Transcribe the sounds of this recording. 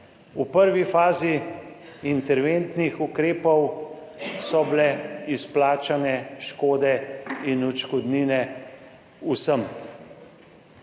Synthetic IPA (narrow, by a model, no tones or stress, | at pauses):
upəɾʋifaːzi | int̪ɛɾʋeːnt̪nixukɾeːpɔw | sɔblɛisplaːt͡ʃanɛʃkoːd̪ɛinut͡ʃkɔd̪niːnɛ | usəm